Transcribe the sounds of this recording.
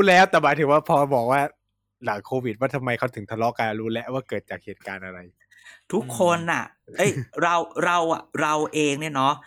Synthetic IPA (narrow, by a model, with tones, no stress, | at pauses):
ɾuː˦˥lɛː˦˥wt̪ɛː˨˩maː˨˦jt̪ʰɯ˩˦ŋwaː˥˩pʰɔː˧bɔː˨˩k̚waː˥˩ | laː˩˦jkʰoː˧wi˨˩waː˥˩t̪ʰa˧mːa˧jkʰa˦˥˩wt̪ʰɯ˩˦ŋt̪ʰa˧lɔ˦˥ka˧ɾuː˦˥lɛ˦˥ʔwaː˥˩kɤː˨˩t̪̚t͡ɕaː˨˩k̚heː˨˩t̪̚kaː˧nʔa˧ɾa˧j | t̪ʰu˦˥kʰːo˧nʔa̰˨˩ | ʔɤ˦˥jɾa˧wɾa˧wa̰˨˩ɾa˧wʔeː˧ŋni˥˩ɐnɔ˦˥